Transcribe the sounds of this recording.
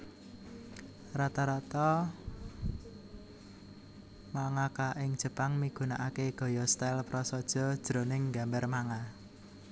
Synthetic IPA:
rat̪ɔɾat̪ɔ | maŋakaʔɪŋd̥ʒ̥ə̤paŋmiɡ̥ṳnaʔakeɡ̥ɔ̤jɔst̪alpɾɔsɔd̥ʒ̥ɔ̤d̥ʒ̥ɾo̤nɪŋɡa̤mbɛrmaŋa

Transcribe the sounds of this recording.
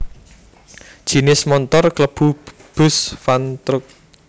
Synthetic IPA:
d̥ʒ̥i̤nɪsmɔnt̪ɔrkləb̥ṳ | b̥ʊ̤sfant̪ɾʊk̚

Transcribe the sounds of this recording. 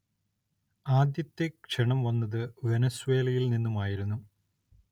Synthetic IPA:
aːd̪jɐt̪ːekʂeɳɐmʋɐnːɐðɨʋenɐswe̞ːlɐjilninːumaːjiɾunːu

